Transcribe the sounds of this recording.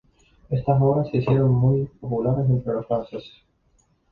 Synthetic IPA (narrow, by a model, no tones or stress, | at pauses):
est̪asoβɾasːeisjeɾoŋmujpopulaɾesent̪ɾelosfanses